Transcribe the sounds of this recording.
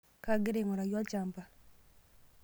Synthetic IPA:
ka˨ɡɪ˦ɾe˨ŋɔ˨ɾa˨jɔ˦t͡ʃa˨mpa˨

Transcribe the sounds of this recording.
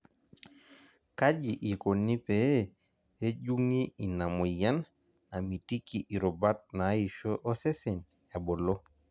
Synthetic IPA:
ka˦d͡ʒi˨ʔi˨ko˨ni˦pe˨e˦ | e˦ɟu˦ŋi˦ʔi˨na˨mu˨ja˦n | a˨mi˨ti˦ki˨ʔi˨ɾɔ˨ba˦t̚na˨˦i˨ʃo˦ʔɔ˦sɛ˦sɛ˨n | ja˨bo˨lo˦

